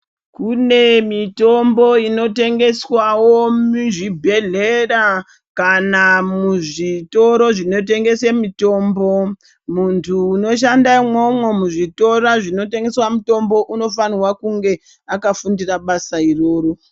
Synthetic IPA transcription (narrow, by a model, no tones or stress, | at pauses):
kune̞mito̞mbo̞ino̞te̞ŋɡe̞swawomiʐibʱe̞ɮera | kanamuʐito̞ɾo̞ʐino̞t̬e̞ŋɡe̞semito̞ːmbo̞ | muntʰuːno̞ʃ̬andaimwomwemuʐito̞raʐino̞te̞ŋɡe̞swamuto̞mbo̞ʔuno̞faniwakuŋɡe̞ | akafundiraɓasairo̞ːɾo